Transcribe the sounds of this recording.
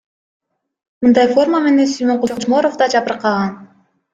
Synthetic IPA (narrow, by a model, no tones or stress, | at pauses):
mɯnd̪ɑjfo̞rməme̞ne̞nsyjmoɴqod͡ʒot͡ʃmoɾofd̪ɑd͡ʒɑpɯɾqɑʁɑn